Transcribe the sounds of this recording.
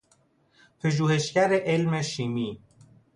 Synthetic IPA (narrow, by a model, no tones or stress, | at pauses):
pʰeʒuːhe̞ʃcæɾeʔelmeʃiːmiː